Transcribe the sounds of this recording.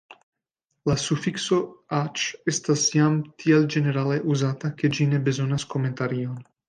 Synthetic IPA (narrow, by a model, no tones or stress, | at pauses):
lasufiksoat͡ʃɛst̪asjamt̪ʰiɛld͡ʒeneɾaːleʔuzaːt̪aked͡ʒinebezonaskomẽnt̪aɾion